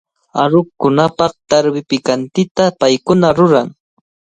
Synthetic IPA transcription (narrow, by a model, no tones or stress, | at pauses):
aɾʊkʊnapɑχt̪aɾwɪpɪkant̪ɪt̪apajkʊnaɾʊɾaŋ